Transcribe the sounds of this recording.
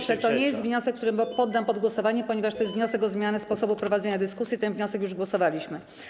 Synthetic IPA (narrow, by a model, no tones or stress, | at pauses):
ʂɛt̪ɔɲejɛst̪vɲɔsɛkːt̪uɾɘpɔd̪ːampɔd̪ɡwɔsɔvaɲɛpɔɲɛvaʂt̪ɔjɛst̪vɲɔ̃sɛɡɔzmʲjanɘspɔsɔbupɾɔvad̪zɛɲad̪ɘskusʲjit̪ɛnvɲɔsɛkjuʐɡwɔsɔvalʲiɕmɘ